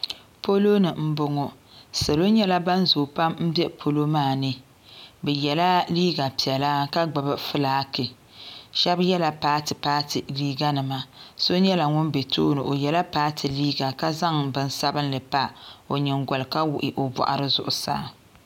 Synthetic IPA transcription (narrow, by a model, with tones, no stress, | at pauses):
po˦lo˦nɨ˨m̩˦bʊ˦ŋɔ˨ | sa˨lo˦ɲɛ˦la˦ba˦nzʊ˨pa˦mm̩˦bɛ˦pʰo˦lo˦maː˦˨nɨ˦ | bɛ˨jɛ˨la˦liː˦ɡa˨pi˨ɛ˨la˦ka˦ɡ͡ba˨bɨ˦fɨ˦laː˦kɪ˨ | ʃɛ˦bjɛ˦la˨paː˦tɨ˨paː˦tɨ˨liː˦ɡa˦nɨ˨ma˦so˦ɲɛ˦la˨ŋʊ˦nbe˨to̰ː˦nɨ˨ʔo˨jɛ˨la˦paː˦tʰɨ˨liː˦ɡa˨ka˦za˦ŋbɨ˨n˦sa˦bɨ˦n˦lɨ˨pa˦o˨ɲɪ˨ŋɡɔ˨lka˦wʊ˨ʔɪ˨ʔo˨bɔ̰˨ʔa̰˨ɾɨ˦zʊ˨ʔʊ˨sa̰ː˦˨